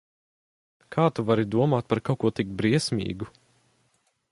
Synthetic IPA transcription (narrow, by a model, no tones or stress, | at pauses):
kʰaːt̪uvaɾid̪uɔmaːt̪̚paɾkawkuɔt̪ik̚bɾiɛsʲmʲḭːɡu